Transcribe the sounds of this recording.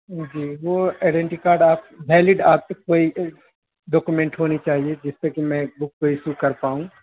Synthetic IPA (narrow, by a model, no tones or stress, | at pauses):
d͡ʒiːʋoeːɖẽɳʈikaːɾɖaːp̚ʋʱɛːlɪɖaːp̚sekoːi | ɖɔːkumẽːɳʈɦoːnit͡ʃaːɦied͡ʒɪsːekimɛ̃ːbʊkkoisukɐɾpaːũː